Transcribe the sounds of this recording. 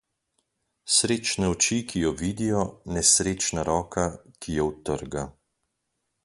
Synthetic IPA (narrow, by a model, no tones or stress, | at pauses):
sɾeːt͡ʃnɛɔt͡ʃikʰijɔʋiːd̪ijɔnɛsɾeːt͡ʃnaɾɔːkakʰijɛwt̪əɾɡa